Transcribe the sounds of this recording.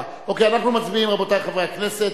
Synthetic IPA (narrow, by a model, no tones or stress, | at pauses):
okejanaχnumat͡sbiimʁabot̪ajχavʁeakneset